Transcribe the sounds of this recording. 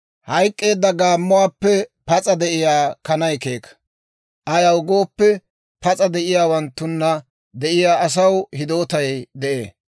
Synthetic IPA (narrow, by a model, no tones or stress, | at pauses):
hɐjkʼːe̞ːd̪ːɐɡaːmːʊwaːpːɛpɐt͡sʼɐd̪ɛʔɪjaːkɐnɐjke̞ːkː | ʔɐjɐwɡo̞ːpːɛ | pɐt͡sʼɐd̪ɛʔɪjaːwɐnt̪ːʊnːɐ | d̪ɛʔɪjaːɐs̬ɐwhɪd̪o̞ːt̪ɐjd̪ɛʔeː